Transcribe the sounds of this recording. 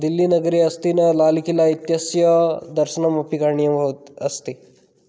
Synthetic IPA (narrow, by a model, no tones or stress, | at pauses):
d̪ilːiːnəɡɾiəst̪inəlalikilait̪jəsjəd̪əɾsənaməpikaɾɳijəʋʱot̪əst̪i